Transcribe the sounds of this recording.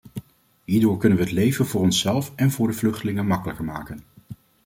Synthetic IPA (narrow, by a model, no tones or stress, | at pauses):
ɦiːɹdʊːɹkɵnənʋəɦətlejvənvʊːɹɔnsɛlˠfɛnvʊːɹdəvlɵχtəlɪŋənmɑkələkəɹmaːkən